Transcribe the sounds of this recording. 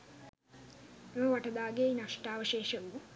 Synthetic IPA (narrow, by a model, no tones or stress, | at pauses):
ʋɐʈɐd̪aːɡejnɐʂʈaːʋɐʃeːʃɐʋu